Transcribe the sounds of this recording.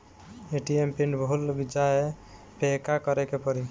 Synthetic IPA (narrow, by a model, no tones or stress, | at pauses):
eʈiempeɳbɔɦulbid͡ʒae | pekakɔɾɛkepɔɾi